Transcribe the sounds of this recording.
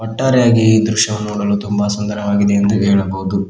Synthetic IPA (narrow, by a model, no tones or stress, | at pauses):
pɐʈːaːɾɛjaːɡid̪ɾuʃjɐʋɐnːuuːɽɐlːut̪umbɐsɐnd̪ɐɾɐʋaːɡid̪eend̪uɦeːɭɐboːd̪u